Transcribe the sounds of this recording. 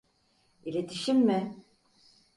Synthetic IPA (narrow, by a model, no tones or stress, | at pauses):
ilʲet̪ʰiʃimːɪ